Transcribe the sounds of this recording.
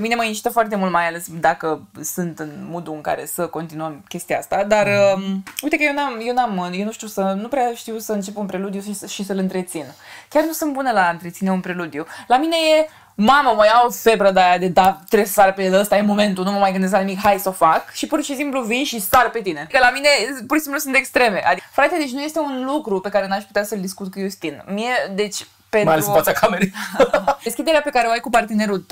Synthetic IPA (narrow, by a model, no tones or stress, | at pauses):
mine̞məint͡ʃi̥t̪əfoart̪̬e̞mult̪majale̞sd̪akəsɨnt̪ɨnmo̞d̪uɨŋka̰ɾe̞səko̞nt̪inuəmkʲe̞st̪iaast̪ad̪aɾəuijt̪ekəjewnamjewnamjenuʃt̪iuwsənupɾeaʃt̪iwsəɨnt͡ʃe̞punpɾe̞lud̪ijuʃisəlɨnt̪ɾe̞t̪sinkʲarnusɨnt̪bunəlaɨnt̪ɾet̪sineunpɾe̞lud̪julamine̞je̞ | maməməjawfe̞bɾəd̪ajad̪e̞d̪at̪ɾebsə̥saɾpejeləst̪ajemo̞me̞nt̪unuməmajɡɨnd̪es̬klanimikɦajsofakʃipurʃisimpluvinʃist̪arpe̞t̪ine̞kəlamine̞purʃisimplusɨnt̪ekst̪ɾe̞me̞ʔa̰d̪ifɾat̪ed̪e̞t͡ʃʲnuje̞st̪eunlukɾupe̞kaɾenuaʃput̪easəld̪iskut̪̚kujust̪inmied̪e̞t͡ʃʲ | penmajaleusmpat̪sʲjakʰameɾi | eskʲid̪eɾeape̞kaɾeoajkupart̪ene̞ɾut̪